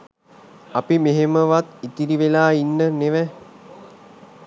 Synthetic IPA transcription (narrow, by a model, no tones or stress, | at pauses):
apimeɦeməʋat̪it̪iɾiʋelaːinːəneʋæ